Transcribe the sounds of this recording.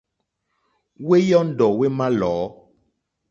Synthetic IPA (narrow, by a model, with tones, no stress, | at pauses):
we˦jɔ˦n̩˦ɖɔ˨we˦mã˦lɔː˨˦